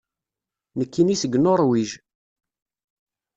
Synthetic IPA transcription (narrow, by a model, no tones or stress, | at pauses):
nəkːinisəɡnoɾˤwiʒ